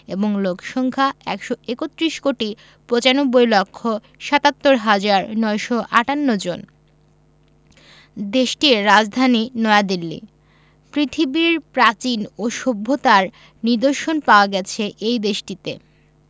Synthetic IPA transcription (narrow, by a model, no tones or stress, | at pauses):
eboŋlokʰʃɔŋkʰaɛkʃoekot̪ːɾiʃkoʈi | pɾot͡ɕanobːojlokʰːo | ʃat̪at̪ːoɾɦad͡ʑaɾnɔeʃɔʔaʈanːod͡ʑon | d̪eʃʈiɾːad͡ʑd̪ʱaninɔead̪ilːḭ | pɾit̪ʰibiɾpɾat͡ɕinoʃobʱːot̪aɾ | niɾd̪oɾʃonpaoaɡɛt͡ɕʰeʔejd̪eʃʈit̪e